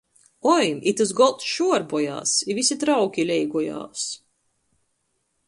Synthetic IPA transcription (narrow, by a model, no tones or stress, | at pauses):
ɔjmit̪ɨs̬ɡɔlˠt̪ʃuɔɾbɔja̰ːsivʲisʲit̪ɾawkʲilʲɛjɡɔja̰ːs